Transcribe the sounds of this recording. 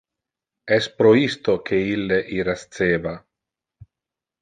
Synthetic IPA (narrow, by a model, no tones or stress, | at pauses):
ɛspɾoist̪okʰeilːeʔiɾast̪seːva